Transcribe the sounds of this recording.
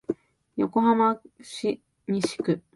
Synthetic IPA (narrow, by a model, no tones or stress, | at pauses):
jo̞ko̞ɦamaɕi | ɲiɕi̥kɯ̟